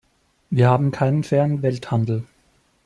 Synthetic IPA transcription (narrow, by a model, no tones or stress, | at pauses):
viːɐhaːbm̩kʰaɪnənfɛːɐənvɛlthandl̩